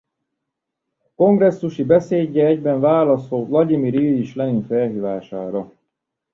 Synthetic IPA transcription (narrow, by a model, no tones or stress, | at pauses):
ko̞ŋɡrɛsːuʃibɛseːɟːɛɛɟbɛɱvaːlɒsoːlɒɟimiɾjyːjiʃlɛninfɛlɦiːvaːʃaːɾɒ